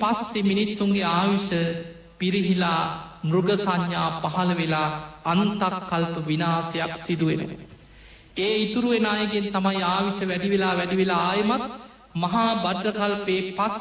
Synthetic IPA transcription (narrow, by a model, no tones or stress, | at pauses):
pasːeminisuŋɡeaːʋiʃə | piɾiɦilaː | mruɡəsaɲːaːpaɦɐləʋelaːnt̪akːalpəʋinaːsejaksid̪uʋḛnə̰ | eːit̪uɾuʋenaːjəɡent̪amajaːʋiʃəʋæɖiʋelaːʋæɖiʋelaaːjəmat̪̚ | mɐɦaːbaɖːəkalpeːpas